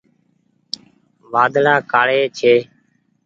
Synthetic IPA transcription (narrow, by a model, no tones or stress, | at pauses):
ʋaːd̪laːkaːɭeːt͡ʃʰeː